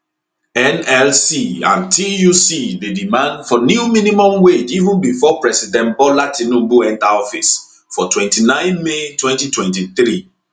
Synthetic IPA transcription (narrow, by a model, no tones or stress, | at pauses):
ɛ̃nɛlsiã̰ntʰijusidedimãndfɔnjuminimɔ̃mwed͡ʒivũnbifɔpɹɛsidɛ̃nbɔlatinũbuɛ̃ntaɔfis | fɔtwɛ̃ntinãɪ̃nmetwɛ̃ntitwɛ̃ntiθɾi